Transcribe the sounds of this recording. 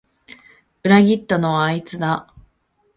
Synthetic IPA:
ɯ̟ɾaɡʲit̪ːano̞βaːit͡sɨd̪a

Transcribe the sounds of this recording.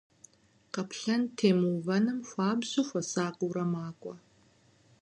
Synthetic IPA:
qɐpʰɬɐntʰeːmuːvɐnɨmxʷaːbzuːfʷɐsaːqʼuːɾɐmaːkʷʼɐ

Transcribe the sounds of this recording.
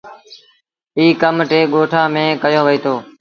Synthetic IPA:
iːkəmʈeːɠoːʈʰaːmẽːkəjoːʋəiːt̪ʰoː

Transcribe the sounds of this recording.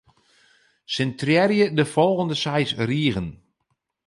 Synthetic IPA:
sɛntrjɛrjədəfɔlˠɣəndəsɛjsriəɣən

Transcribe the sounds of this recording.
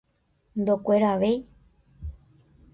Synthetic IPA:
nd̪okʷe̞ɾaʋe̞j

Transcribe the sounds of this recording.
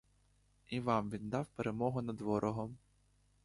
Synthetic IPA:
iʋɑmʋʲind̪ɑwpeɾemɔɦʊnɐd̪ʋɔɾʔɔɦɔm

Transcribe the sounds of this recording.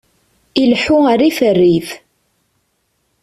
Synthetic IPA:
ilħʊaɾifərːif

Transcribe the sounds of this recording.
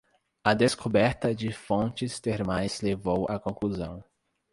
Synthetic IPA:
ɐd̪eskʰobɛɾt̪ɐd͡ʒɪfõnt͡ʃɪst̪eɾmajzlevowʔɐkõkluzɐ̰̃w̃

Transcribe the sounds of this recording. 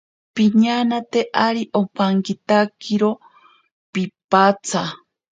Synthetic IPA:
piɲanat̪eʔaɾiʔopaŋkit̪akiɾo | pipat͡sʰa

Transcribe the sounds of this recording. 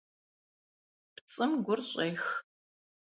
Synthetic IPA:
pt͡sʼɨmɡʷʊrɕʼeːx

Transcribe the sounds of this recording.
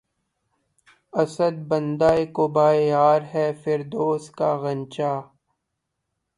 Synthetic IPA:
ɐsəd̪̚bɐ̃nd̪aːekobaːejaːɾɦɛːfɪɾd̪oːska̰ɣɐ̃nt͡ʃaː

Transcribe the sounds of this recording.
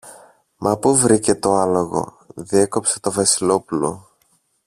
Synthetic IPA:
mʔɐpuvɾice̞t̪o̞ɐlo̞ɣo̞̰ | ðie̞ko̞pse̞̥t̪o̞vɐsilo̞pulo̞̰

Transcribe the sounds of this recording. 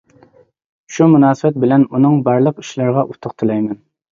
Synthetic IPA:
ʃumunɑːsəbɛt̪̚bɪlɛnunɨŋbɑɾlˠəqi̥ʃlɨɾʁɑʔut̪ʰʊqt̪ʰɨlˠɑjmɛn

